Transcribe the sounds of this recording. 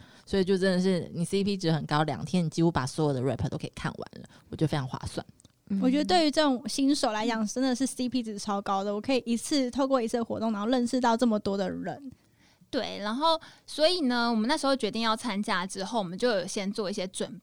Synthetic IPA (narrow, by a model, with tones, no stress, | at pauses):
swɔ˧˥i˨˩t͡ɕjʊʈ͡ʂə˦˥nd̪ə˨ʂɻ̩˥˩ni˨˩si˥pʰi˥ʈ͡ʂɻ̩˧˥xə˨˩nkɑ˥ʊljɑ̰˨˩ŋt̪ʰjɛ˦˥ni˨˩t͡ɕi˧˥xu˧˥pa̰˨˩swɔ˧˥jɔ˨˩d̪ə˦ɻɛ˧˥˩pʰə˨˩t̪o˥kʰi̥̰˨˩kʰa̰˥˩nwa̰˧˦nlə̰˦wɔ˨˩t͡ɕo˥˩fe˥ɪɑ˧˥ŋxwa̰˥˧swa̰˥˩n | wɔ˨˩t͡ɕɥɛ˧˥d̪ə˧t̪we˥˩ɪy˧˥ʈ͡ʂɤ˥˩ʊ˨˩ŋɕi˥nʂo˨˩ʊla˧˥ɪt͡ɕjɑ˨˩ŋʈ͡ʂə˥nd̪ə˨ʂɻ̩˥˩si˥pʰi˥d͡z̩˨˩ʈ͡ʂʰɑ˥ʊkɑ˥ʊd̪ə˨wɔ˨˩kʰɤ˧˥i˨˩i˧˥t͡s̩ʰ˥˧t̪ʰo˥˧ʊkwɔ˥˩i˧˥t͡sʰɹ̩˥˩d̪ə˨xwɔ̰˧˥t̪o˥˨ŋna˧˥xɻə˥˧nʂɻ̩˥˧t̪ɑ˥˧ʊʈ͡ʂɤ˥˩mə˩t̪wɔ˥d̪ə˨ɻə̰˧˥˦n | t̪we˥˩ɪna˧˥nxo˥˩ʊswɔ˧˥i˨˩nə˩wɔ˨˩mə˨˦na˥˩ʂɻ̩˧xo˥˧ʊt͡ɕɥɛ˧t̪i˥˧ŋjɑ˥˩ʊt͡sʰa˦˥nt͡ɕja˥ʈ͡ʂɻ̩˦˥xo˥˩ʊwɔ˨˩mə˨˦nt͡ɕjo˥˩ʊjo˨˩ʊɕjɛ˥nt͡swɔ˥˧i˥˩ɕjɛ˥ʈ͡ʂwə˨˩n